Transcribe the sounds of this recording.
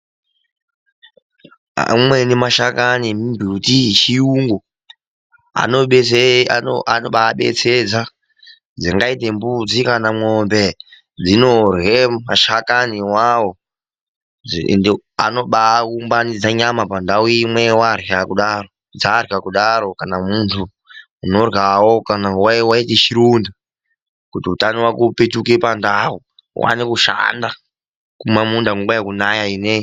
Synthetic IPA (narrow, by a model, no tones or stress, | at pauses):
a̰mwenimaʃakanimimbʱutit͡ʃiuŋɡo | a̰noɓ | anoɓaːɓḛt͡sʰed͡za | d͡ziŋɡaitembud͡zikanamŋoːmbe | d͡zinorwemaʃakaniwawo | na̰no̞ɓakumbanid͡zaɲamapandauimwewarakuɗaro̞ | d͡zarakuɗaɾo̞kanamuntʰu | uno̞rwawokanawawaiteʃiɾunda | kutiutaniwakupet͡ʃukepandaṵ | wa̰nekuʃa̰nda | kumamundaŋɡuŋɡajekunajainei